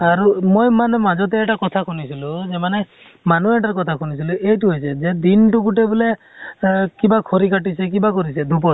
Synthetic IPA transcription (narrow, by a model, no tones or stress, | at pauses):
aɾumojmanemad͡ʒɔt̪eːʈakɔt̪ʰakʰunisʰilud͡ʒemane | manueʈaɾkɔt̪ʰakʰunis̬ʰiluʔejʈuɦojsʰed͡ʒed̪inʈukuʈebule | kibakʰɔɾikaʈisekibakɔɾised̪ʱup̬ɔ